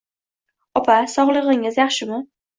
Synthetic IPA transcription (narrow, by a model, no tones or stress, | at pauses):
ɒpʰasɒʁlˠɨʁɪŋɪzjɑχʃɪmɪ